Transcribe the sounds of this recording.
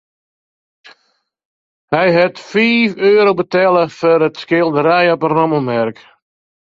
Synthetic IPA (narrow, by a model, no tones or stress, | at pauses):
hɛjɦɛtfiːføːɾowbətɛləfɔɾətskɪlˠdəɾɛjəpərɔməmɛrk